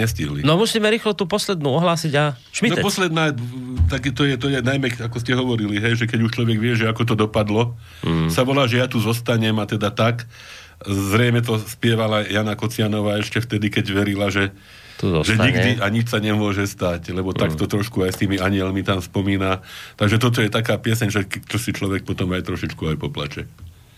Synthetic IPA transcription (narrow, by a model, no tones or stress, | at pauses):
ɛsciɦlinɔmusiːmɛɾiːxlɔt̪uːpɔslɛd̪nuːɔɦlaːsiɟa | ipɔslɛd̪naːt̪aɡt̪ɔjɛt̪ɔjɛnajmɛakɔscɛɦɔʋɔɾiliɦɛjʒɛkɛɟuʃt͡ʃlɔʋɛɡʋɪɛʒɛakɔt̪̬ɔd̪ɔpad̪lɔ | saʋɔlaːʒɛjat̪uzɔst̪aɲɛmat̪ɛd̪at̪ak | zɾɛjmɛt̪̬ɔspɪɛʋalajanakɔt͡sɪanɔʋaːɛʃcɛft̪ɛd̪ikɛɟʋɛɾilaʒɛ | t̪ʒɛɲiɡd̪iʔaɲit͡ʃsaɲɛmʊɔʒɛst̪aclɛbɔt̪akt̪ɔt̪ɾɔʃkuajst̪iːmiaɲɪɛlmit̪amspɔmiːnat̪aɡʒɛt̪ɔt̪̬ɔjɛt̪akaːpɪɛsɛɲʒɛkt͡ʃɔsit͡ʃlɔʋɛk̚pɔt̪ɔmajt̪ɾɔʃit͡ʃkuajpɔpla̰t͡ʃɛ